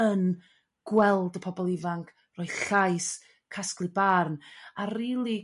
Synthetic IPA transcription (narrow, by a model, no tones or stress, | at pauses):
ən | ɡ̥wɛlˠdəpʰɔbɔlˠɪvaŋkʰ | rɔːjð̥ɬajs | kʰasklˠɨbarnariːlˠi